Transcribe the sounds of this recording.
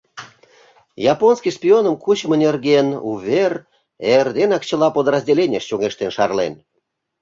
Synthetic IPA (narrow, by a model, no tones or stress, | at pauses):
jɑponskʲiʃpʲionəmkut͡ɕmənʲerɡenuβʲer | erd̪enɑkt͡ɕə̆lɑpod̪rɑzʲdʲelʲenʲeʃt͡ɕuŋeʃt̪enʃɑrlen